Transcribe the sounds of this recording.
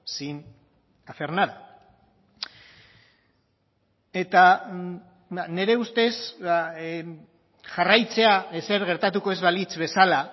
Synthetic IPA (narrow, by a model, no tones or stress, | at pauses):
sin | afe̞rnaða | e̞t̪a | ane̞ɾe̞ust̪e̞sa | ʝarajt͡se̞aese̞ɾɣe̞ɾt̪at̪uko̞e̞zβalit͡sβe̞sala